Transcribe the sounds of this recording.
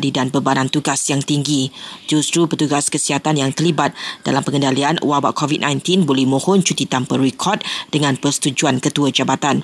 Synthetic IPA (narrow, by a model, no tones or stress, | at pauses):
didanbəbanãnt̪uɡasjaŋt̪iŋɡid͡ʒust̪ɾupət̪uɡaskəsiɦat̪anjaŋt̪ərlibat̪̚d̥a̰lampəŋəndalian̰wawa̰ʔkʰɔvit̪̚nãjnt̪inbolɛhmõhɔnt͡ʃut̪it̪ampəɾikʰɔrt̚dəŋãnpərsə̥t̪ud͡ʒuankət̪uəd͡ʒabat̪an